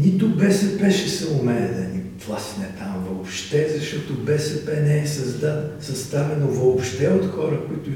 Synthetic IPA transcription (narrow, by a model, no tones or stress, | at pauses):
nit̪ʊbɛsɛpɛʃɛsɐʊmɛnɛd̪ɐniplˠasinɛt̪amvoopʃt̪ɛzɐʃt̪ɔt̪obɛsɛpɛnɛɛsɐzd̪asɐst̪avɛnovoːpʃt̪ɛot̪xɔɾəkʊit̪ʊ